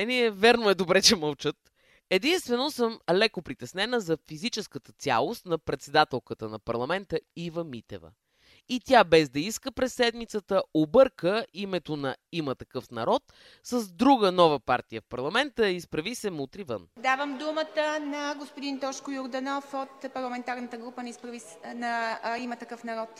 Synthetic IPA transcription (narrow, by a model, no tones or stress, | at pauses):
ɛniɛvɛɾnoɛd̪obɾɛt͡ʃɛməlˠt͡ʃət̪ | ɛd̪inst̪vɛnosəmlɛkopɾit̪ɛsnɛnəzɐfizit͡ʃɛskət̪ət̪sʲja̰lˠost̪nɐpɾɛt̪sɛd̪at̪ɛlˠkət̪ənɐpɐɾlˠɐmɛnt̪əivəmit̪ɛ̰və̰ | it̪ʲjabɛzd̪ɐiskəpɾɛsːɛd̪mit̪sət̪əobɤɾkəimɛt̪onɐimət̪ɐkɤfnɐɾɔt̪ | səzd̪ɾuɡənɔvəpaɾt̪ijəfpɐɾlˠɐmɛnt̪əispɾɐvisɛmut̪ɾivə̰nd̪avəmd̪umət̪ənɐɡospʊd̪int̪ɔʃkʊjʊɾd̪ɐnɔfot̪pɐɾlˠɐmɛnt̪aɾnət̪əɡɾupənispɾɐvi | nɐimət̪ɐkɤfnɐɾɔt̪